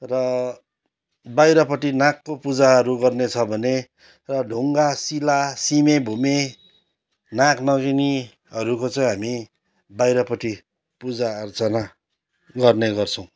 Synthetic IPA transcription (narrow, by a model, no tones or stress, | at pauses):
rʌ | bajɾʌpʌʈinakːopud͡zaɦʌɾuɡʌrnet͡sʰʌbʱʌne | rʌɖʱuŋɡasilasimebʱume | naknʌɡini | ɦʌɾukot͡saj̃ɦami | bajɾʌpʌʈi | pud͡zaʌrt͡sʌna | ɡʌrneɡʌrt͡sʰʌw̃